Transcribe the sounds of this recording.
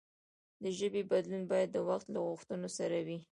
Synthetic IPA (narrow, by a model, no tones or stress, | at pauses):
d̪əʒəbebad̪lunbɑjad̪ːəwaxt̪laɣʊxt̪ənosaɾawi